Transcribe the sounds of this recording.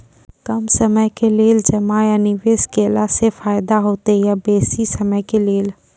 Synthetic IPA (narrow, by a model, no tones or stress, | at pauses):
kəmsəməjkeleːld͡ʒəmajanɪʋeːskelasefaːjd̪aɦoːt̪ejabeːsisəməjkeleːl